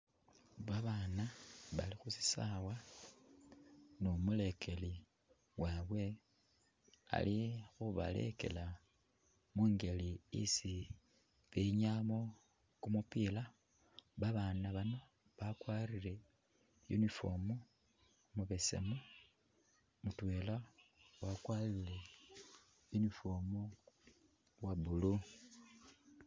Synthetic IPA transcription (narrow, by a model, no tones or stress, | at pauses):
βaβaːnaβa̰lixusi̥sawa | nomule̞kʰe̞li | waβwe̞ | a̰lixuβa̰le̞̰ke̞̰la | muːŋɡe̞liḭsi | βeɲamo̞ | kumupiːla | βaβaːnaβano | βakwaːrile̞ | jṵnifo̞̰mo | muβe̞sḛmo | mutwe̞ːlawakwalile | junifomo | waβulu